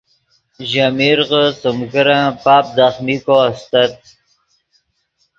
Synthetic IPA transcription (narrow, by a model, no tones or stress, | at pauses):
ʑamiɾʁəsəmkəɾãpaːp̚d̪aχmikoast̪at̪̚